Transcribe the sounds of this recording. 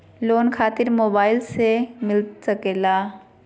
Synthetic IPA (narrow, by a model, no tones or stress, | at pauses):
loːnkʰaːt̪ɪɾmoːbaːɪlsemɪlsɐkeːlaː